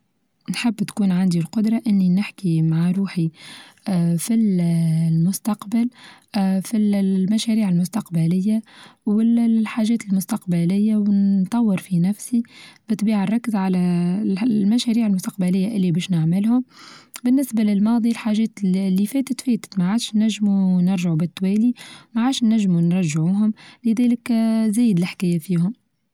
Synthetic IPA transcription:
nħɪbːt̪kuːnʕand̪ilqʊd̪ɾˤɑʔɪnːinɪħkimaʕaɾˤuːħi | fillmʊst̪ɑqbal | filmæʃæɾiːʕɪlmʊst̪ɑqbalɪjːawɪħaːʒɛːt̪ɪlmʊst̪ɑqbalɪjːawnt̪ˤːɑwːɪɾfinæfsib̥ɨt̪ˤbiːʕarˤːɑkːəzʕalæ | lmæʃæɾiːʕalmʊst̪ɑqbælɪjːaʔɪlːibɛːʃnaʕmɪlhʊmbɪnːɪsbalɪlmɑːðˤilħaːʒɛːt̪lːifɛːt̪ət̪fɛːt̪ə̥t̪maʕaːd̪ʃnæʒːmunɪɾʒaʕubɪt̪ːwɛːlimaʕaːd̪ʃnæʒːmunɾˤɑʒːʕuːɦʊmlɪðɛːlɪkzæːjɪd̪lɪħkæːjafiːhʊm

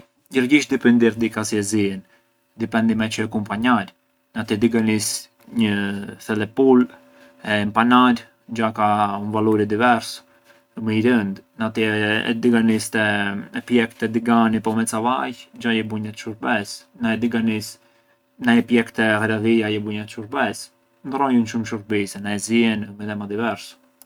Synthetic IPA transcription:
ɟəɾɡiʃd̪ipɛnd̪iɾd̪ikasiɛziɛn | d̪ipɛnd̪imɛt͡ʃəɛkumpaɲaɾ | nat̪id̪iɡanis | ɲəθɛlɛpul | ɛmpanaɾ | d͡ʒakaunvaluɾid̪ivɛɾs | məiɾənd̪nat̪iɛ̰d̪iɡanist̪ɛɛpjɛkt̪ɛd̪iɡanipɔmɛt͡savajd͡ʒajɛbuɲat̪ʃuɾbɛs | naɛd̪iɡanis | najɛpjɛkt̪ɛhɛɾaðijajɛbuɲat̪ʃuɾbɛs | nd̪rɔjunʃumʃuɾbisɛnaɛziɛnmɛðɛmad̪ivɛɾs

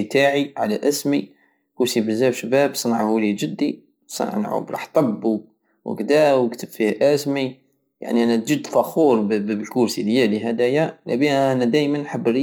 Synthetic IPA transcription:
t̪aʕiʕalæʔæsmi | kuɾsibəzæbʃbæbsˤɑnʕahulid͡ʒəd̪ːi | sˤɑ̰nʕn̰ʕṵbɾˤɑ̰ħt̪ˤɑbːu | wə̰ɡd̪æwəkt̪əbfihʔæsmi | ja̰ʕniʔænæt̪̚d͡ʒid̪fɑxuɾˤbəlkuɾsiljæliɦæd̪æjalæbiʔænæd̪æjmənħəbːɾ

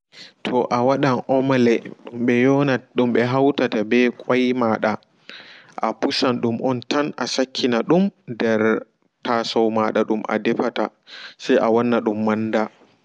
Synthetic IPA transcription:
tʰɔʔawaɗanʔɔmlɛɗumɓɛjɔnaɗumɓɛɦawtatabɛkʼajmaɗa | ʔapusanɗumʔɔntanʔasakʰːinaɗumdɛɾ | tasɔwmaɗaɗumʔa̰dɛfata | sajʔawɔnːaɗumːanda

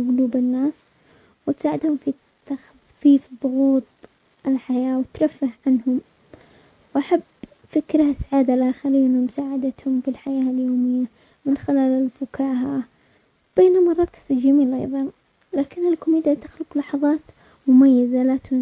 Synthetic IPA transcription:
ɣʊluːbɪnːaːs | wɪt̪saːʕɪd̪hʊmfi | t̪ax | fiːfðˤʊɣuːt̪ˤ | ɪlħajaːwɪt̪ɾˤafːahʕanhʊm | wʔaħabː | fɪkɾahasaʕaːd̪alʔaːxɪɾiːʔɪnːamʊsaːʕad̪at̪hʊmfilħajaːljoːmɪjːa | mɪnxɪlaːlɪlfʊkaːɦa | b̥eːnʊmarˤːɑkzd͡ʒamiːlʔɑ̰jðˤɑn | laːkɪnːɪlkʊmiːd̪iat̪axlʊqlɑħɑðˤɑːt̪ | mʊmajːazalat̪hʊ

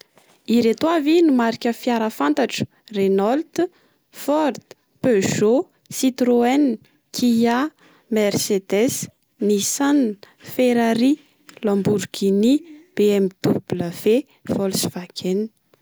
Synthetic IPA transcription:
iɾet̪oavinumaɾikʲəfjaɾəfant̪aʈ͡ʂu̥ | renɔlt̪ | fɔɾd̪̥ | peʒo | sit̪ɾoɛn | kʰija | mersed̪ɛs | nisan | feɾaɾi | lɔ̃mbuɾɡinib̥eɛmid̪̥ubuləv̥e | fɔlsvakʰen

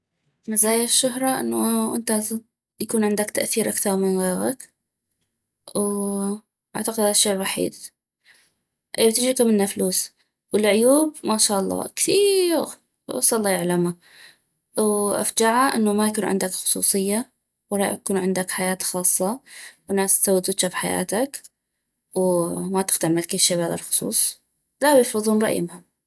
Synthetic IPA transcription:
mazaːjaʃːʊɦɾˤɑʔɪ̰nːuʔɪ̰nt̪a | jakuːnʕɪnd̪akt̪aʔθiːɾʔakθɑɾˤmɪnɣeːɣɪk | w | ʔa̰ʕt̪aqɪd̪haðaʃːeːʔwaħḭːd̪ | ʔeːbt̪ɪd͡ʒikamɪnːafluːs | wɪlʕʊjuːb̚maʃaːʔɑlˤːɑ̰ːkθiːɾ | ɑ̰sɑlˤːɑjaʕlama | wʔa̰fd͡ʒaʕaʔɪnːamajakuːnʕɪ̰nd̪akxʊ̥sˤṵːsˤɨjːa | wɑɾˤɑ̰jakuːnʕɪnd̪akħajaːt̪xɑːsˤːɑwɪnːaːssawːɪt̪ɪt̪ʃafħaja̰ːt̪ak | wmat̪ɪ̥xt̪amːalkɪlʃaːbaða̰lxʊ̥sˤṵːsˤ | lawjɪfɾɨðˤuːnɾˤɑ̰ʔjɪ̰mhʊm

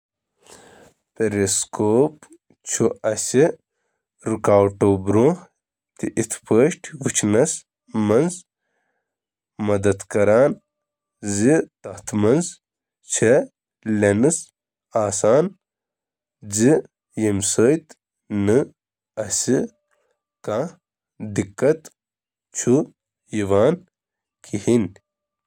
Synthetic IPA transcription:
peɾeskʰoːp | t͡ʃʰuɐsi | ɾukaːwʈobɾuh | t̪iʔit̪ʰpʰəːʃʈʰɡut͡ʃʰnɐs | mɐnz | mɐd̪ɐt̪kɐɾaːn | zit̪ɐht̪ʰmɐnz | t͡ʃʰe | lenɨs | aːsaːn | zi | jimsəjt̪ | nɨ | ɐsi | ka | d̪ikːɐt̪ | t͡ʃʰu | jiʋaːn | kʰihin

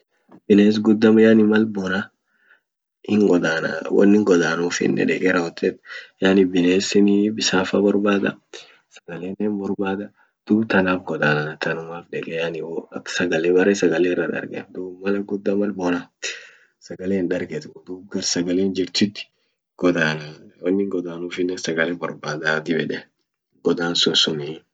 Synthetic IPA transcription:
bɪneːs̬ɡʊd̪ːɐmɐjanɪmɐlbɔːna | ɪŋɡɔd̪aːnɐ̰wɐ̰nːɪŋɡɔd̪aːnuːfɪ̰nːɛ̰ᶑɛ̰ɡɛɾɐɔt̪ːeːt̪janɪbɪneːsɪnɪbɪsaːfɐbɔɾbaːd̪ɐ̰ | sɐɡɐleːnːeːnbɔɾbaːd̪ɐ | d̪̥uːbt̪ɐnaːfɡɔd̪aːnɐnɐt̪ɐnʊmaːfᶑɛkʼɛjanɪwɐkːsɐɡɐleːbɐrɾɛsɐɡɐleːɪrːɐᶑ̪ɐ̰ɾɡḛd̪uːbmɐlɐɡʊd̪ːamɐlboːnɐ | sɐɡɐleːnᶑɐɾɡet̪d̪uːb̚ɡɐɾsɐɡɐleːnd͡ʒɪɾt̪ɪt̪ːɪ̥ | ɡ̥ɔd̪aːnɐwɔnːɪŋɡɔd̪aːnuːfɪnːɛnsɐɡɐlebɔɾbaːd̪aːt̪ɪbɛᶑɛ | ɡɔd̪aːnsʊnsʊni

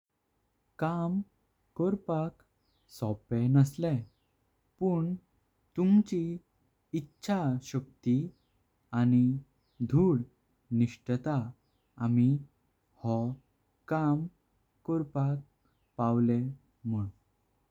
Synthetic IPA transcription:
kam | kɔɾpak | sɔpɛnəslɛ | puɳ | t̪umt͡ɕiː | tːɕʰaɕək̚t̪i | añi | d̪ʱuːɽ | niɕʈət̪a | ami | hɔ | kam | kɔɾpak̚ | pawlɛ | muɽ

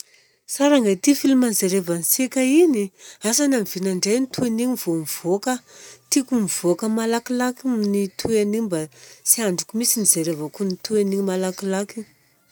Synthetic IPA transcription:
saɾaŋɡat̪ifilumanzeɾevansekʲainiasanamv̥inaɳɖ͡ʐajnit̪ʰueniɲiv̥omiv̥okət̪ikumiv̥okəmalakilakinit̪ʰuenibasiaɳɖ͡ʐukumisinizeɾevakunit̪ueniɲimalakilaki

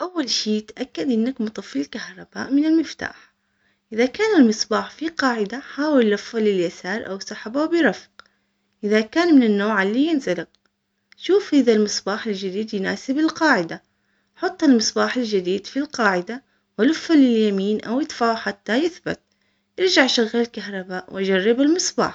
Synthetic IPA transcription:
ʔawːalʃiːt̪ʔakːad̪ʔɪnːakmʊt̪ˤɨfːilkahɾˤɑba̰ːʔmɪnɪlmɪft̪a̰ːħ | ʔɪðakaːnalmɨsˤbɑːħfiqɑːʕɪd̪aħaːwɪlːʊfːalɪljasaːɾˤʔa̰wsɑħabawbɪɾˤɑfq | ʔɪðakaːnmɪnɪnːoːʕɪlːijɪnzalɪq | ʃuːfhɪðalmɪsˤbaːħɪld͡ʒɪd̪iːd̪jnaːsɪbɪlqɑːʕɪd̪a | ħʊt̪ˤːɪlmɨsˤbɑːħɪld͡ʒɪd̪iːd̪filqɑːʕɪd̪a | wɪlʊfːalɪljamiːnʔawɪt̪faːħat̪ːajɪθba̰t̪̚ | ʔɪɾˤd͡ʒaʕʔʃaɣːallkaɦɾˤɑbaːʔwʔʔad͡ʒarːɪbɪlmɪsˤba̰ːħ

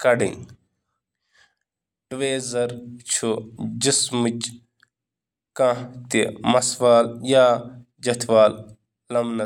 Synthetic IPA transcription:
kɐɖḭ̃ | ɖʋeːzɐɾt͡ʃʰud͡ʒismit͡ʃ | kãt̪imɐsʋaːljaː | d͡ʒɐt̪ʰʋaːl | lɐmnɐ

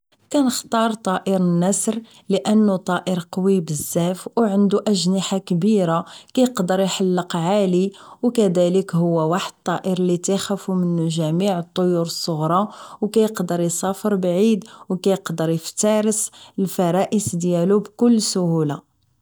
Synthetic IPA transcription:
kænəxt̪ˤɑɾˤt̪ˤɑʔəɾənːæsɾ | ləʔənːut̪ˤɑʔəɾqwibəzːæfwʕənd̪uʔæʒnəħakbiɾakæjəqd̪əɾˤjħalːəqʕaliwkæd̪æləkhʊwːæwaħəd̪̚t̪ˤːɑʔəɾlit̪axæfumənʒæmiʕət̪ˤːojuɾəsˤːoɣɾˤɑwkæjəqd̪əɾjsˤɑfəɾbʕid̪wkæjəqd̪əɾˤjəft̪ɑɾəsəlfɑɾˤɑʔəsd̪jælubkʊlːsʊhula

